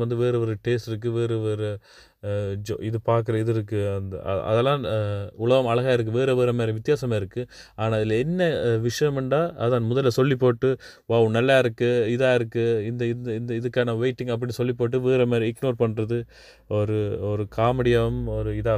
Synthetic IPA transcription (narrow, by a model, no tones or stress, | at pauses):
ʋɐnd̪ɯʋeːɾɯʋɔɾɯʈeːsʈɪɾɯk̬ːɯʋeːɾɯʋeːɾɯ | d͡ʒo̰ːɪðɯpaːɾk̬ɯɾɐɪðɯɪɾɯkːɯɐnd̪̰ɐ̰ɐ̰ðɛlːãːʊɭɐɣɐmɐlɐɣaːɪɾɯkːɯʋeːɾɐʋeːɾɐmeːɾɐ̃ʋɪt̪ːjaːsɐmaːɪɾɯkːɯaːnaːɐðɪlɛnːɐʋɪʂɐjɐmɛɳɖaːɐðaːnmʊðɐlːɐsɔlːip̬ːoːʈːɯʋaːʋɯnɐlːaːɪɾɯkːɯɪðaːɪɾɯkːɯɪnd̪ɐɪnd̪ɐɪnd̪ɐɪðɯkːaːnɐʋeɪʈːɪŋɡɐp̬ːɐɽɪnsɔlːɪpːoːʈːɯʋeːɾɐmeːɾɐ̃ɪknoːɾpɐɳːɾɐðɯ | ɔɾɯɔɾɯkʰaːmɪɽɪjɐɐmɔɾɯɪðaː